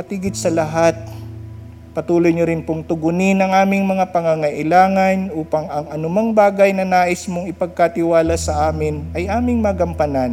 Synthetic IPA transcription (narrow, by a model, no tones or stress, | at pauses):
pɐt̪iːɡɪd̪̚sɐlɐɦat̪̚ | pɐt̪uːlojɲoɾɪnpoŋt̪ʊɡʊnɪnɐŋʔaːmɪŋmɐŋapɐŋaŋɐʔɪlaːŋɐnʔuːpɐŋʔɐŋʔɐnʊmaŋbaːɡɐjnɐnaːʔɪsmoŋɪpɐɡ̚kɐt̪ɪwaːlɐsɐʔaːmɪnʔɐjʔaːmɪŋmɐɐɡɐmpɐnan